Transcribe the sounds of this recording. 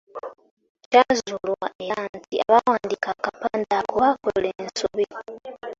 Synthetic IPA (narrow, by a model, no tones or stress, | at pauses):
cazulwaʔejantiaβawaːndikakapaːndakoβakoleːnsoβi